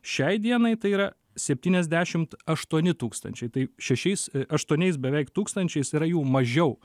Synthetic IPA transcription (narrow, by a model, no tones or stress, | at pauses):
ʃʲɛɪd̪ʲiɛnɐɪt̪ɐɪiːɾɐ | sʲɛpʲt̪ʲiːnʲɛzʲd̪ʲæːʃʲɪmt̪ɐʃt̪uɔnʲɪt̪uːkst̪ɐ̰nʲt͡ʃʲɛɪt̪ɐɪʃʲɛʃʲɛɪsɐʃt̪uɔnʲɛɪs̬bʲɛʋʲɛɪkt̪uːkst̪ɐnʲt͡ʃʲɛɪsiːɾɐjuːmɐʒʲɛʊ